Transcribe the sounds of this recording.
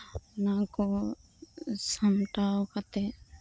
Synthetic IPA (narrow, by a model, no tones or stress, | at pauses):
nako | səmʈaokət̪e